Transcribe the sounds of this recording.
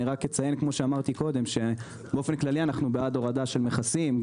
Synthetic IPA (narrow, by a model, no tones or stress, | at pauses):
iʁakjet͡saje̞nkmo̞ʃeamaʁt̪iko̞d̪e̞mʃe̞ | beo̞fenklalianaχnubead̪o̞ʁad̪aʃe̞lmeχasim